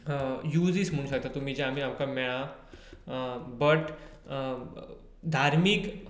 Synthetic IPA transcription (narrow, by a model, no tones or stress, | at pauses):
juːd͡ziːt͡sm̤əɽ̃ũɕək̚t̪at̪um̤iːd͡ʑɛ̃am̤iːamkamɛɭã | bəʈ | d̪ʱaɾmiːk